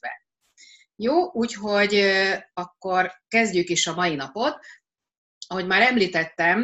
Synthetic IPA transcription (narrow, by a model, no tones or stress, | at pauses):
ɛ̰ | joːuːcɦo̞ɟɒkːo̞rkɛzɟykiːʃɒmɒjinɒpo̞t̪ | ɒɦo̞ɟmaːɾɛmliːt̪ɛt̪ːɛm